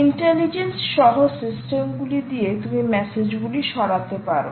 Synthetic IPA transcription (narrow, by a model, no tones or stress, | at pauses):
iɳʈelid͡ʑensʃɔɦosisʈemɡulid̪iet̪umimɛsed͡ʑɡuliʃɔɽat̪epaɾo̰